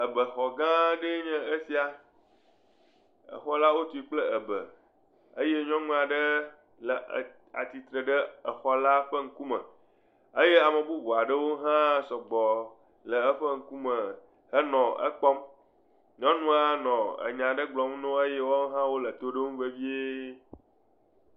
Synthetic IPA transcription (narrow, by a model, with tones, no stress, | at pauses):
ə˨bə˨xɔ˨ɡã˦ɖe˦ɲɛ̃˦ə˦si˦a˨ | ə̰˨xɔ˦la˦wo˦t̪u˨i˦k͡plə˦ə˨bə̰˨ | ə˦je˦ɲɔ̃˦ŋũ˦a˨ɖə˦ | lə˨ | a̰˨t̪i˨t̪ɾə˨ɖə˦ə˨xɔ˦la˦ɸə˦ŋ̩˦ku˦mə̰̃˨ | ə˦je˦a˨mə˨bu˦bo˨a˨ɖə˦wo˦ɦã˦sɔ˨ɡ͡bɔ˨ | lə˨ə˦ɸə˦ŋ̩˦ku˦mə˨ | hə˦nɔ̃˨ə̰˦k͡pɔ˦m | ɲɔ̃˦nũ˦a˦nɔ̃˨ə̰˨ɲã˨ɖə˦ɡ͡blɔ˨m˦nõ˦ə˦je˦wo˦ɦã˦wo˦lə˨t̪o˦ɖe˦ŋũ˦ve˦vi˦e˦